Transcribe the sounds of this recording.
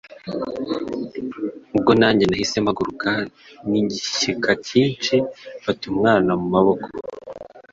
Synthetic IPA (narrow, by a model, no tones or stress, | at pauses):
ub̚ɡo̞naːɲɟe̞nahise̞maɡuɾukʰaniɟiçikʰaciːnt͡ʃiβatumŋaːnamumaβo̞ko̥